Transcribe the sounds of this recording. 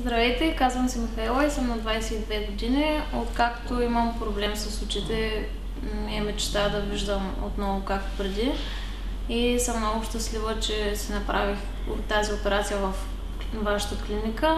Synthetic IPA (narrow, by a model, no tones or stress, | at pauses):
zd̪ɾɐvɛjt̪ɛikazvəmsimifɛlˠaisəmnɐd̪vajsɛid̪vɛɡod̪iniot̪kakt̪oiməmpɾoblɛmsəsˠut͡ʃit̪ɛ | miɛmɛt͡ʃt̪ad̪ɐviʒd̪əm | o̰t̪nɔvokak̚t̪o̥pɾɛd̪i | isəmnɔɡʊʃt̪ɐslivət͡ʃɛsinɐpɾʔavix | ot̪ːaziopɛɾat̪sijəvɐf | vaʃə̥t̪əklinikə